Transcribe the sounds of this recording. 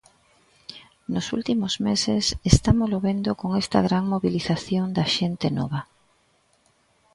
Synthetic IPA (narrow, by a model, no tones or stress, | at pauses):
nʊsṵlt̪imʊzmesesest̪amoloβend̪okoŋest̪ɐ̰ɣɾaŋmoβiliθaθjoŋd̪ɐʃent̪enɔβ̞ɐ